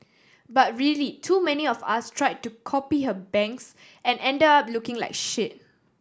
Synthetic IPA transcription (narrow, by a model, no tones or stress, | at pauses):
bat̚ɹilitʰumɛniɔfa̰stʰɹaɪd̚tukʰɔpihəbɛ̃ŋks | ɛ̃nɛ̃ndəap̚lukɪ̃ŋla̰ɪkʃɪt̚